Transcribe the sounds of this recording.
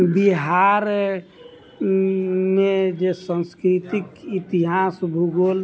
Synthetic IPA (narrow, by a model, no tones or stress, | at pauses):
biɦaɾ | med͡ʒesə̃nskɾit̪ikit̪iɦasbʱuɡol